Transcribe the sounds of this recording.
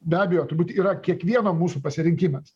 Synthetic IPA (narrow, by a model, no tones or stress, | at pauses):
bʲæːbʲɛjoːt̪ʊɾbuːt̪iːɾɐkʲiɛkʋʲiɛnoːmuːsuːpɐsʲɪɾʲɪŋʲkʲɪmɐs